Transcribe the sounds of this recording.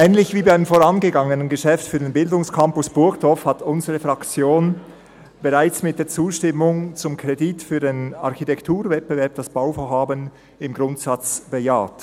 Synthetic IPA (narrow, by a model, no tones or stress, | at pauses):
ʔɛːnlɪçviːbaɪəmfoːʁɑnɡəɡɑŋənənɡəʃɛftfyːɐdenbɪldʊŋskʰɑmpʊsb̥ʊɐkd̥ɔfhatʊnzəʁəfʁɑkt͡sjoːn | b̥ɛʁaɪt͡smɪt̚d̥eːɐt͡suːʃtɪmʊŋt͡sʊmkʰʁ̥editfyːɐdenɑ̰ʁxitʰɛktʰuːɐvɛt̚b̥əvɛɐp̚d̥ɑsb̥aʊfoːɐɦaːbən | ɪmɡʁʊntsɑt͡sb̥ejaːt